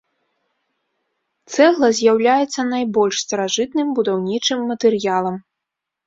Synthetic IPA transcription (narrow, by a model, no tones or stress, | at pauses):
t̪sɛɣlˠɐzʲjawlʲajɛt̪sːɐnajbɔlʲʂst̪ɐɾaʐɨt̪nɨmbud̪awnʲit͡ʂɨmːɐt̪ɛɾɨjalˠɐm